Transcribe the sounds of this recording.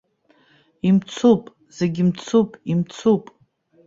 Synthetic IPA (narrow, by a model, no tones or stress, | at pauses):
imt͡sʰupʼ | z̥eɡʲimt͡sʰupʼimt͡sʰupʼ